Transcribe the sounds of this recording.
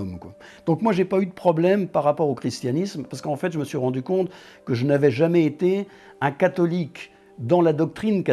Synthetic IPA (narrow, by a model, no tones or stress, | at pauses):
mkwa | d̪̥ɔ̃kmwaʒepayd̪əpχɔblɛmpaʁːapɔʁokχist̪janismpaʁsə̥kɑ̃fɛt̪ʒəməsɥiʁɑ̃d̪ykɔ̃t̪ | kəʒənavɛʒamɛet̪e | ɛ̃kat̪ɔlik | d̪ɑ̃lad̪ɔk̚t̪χinka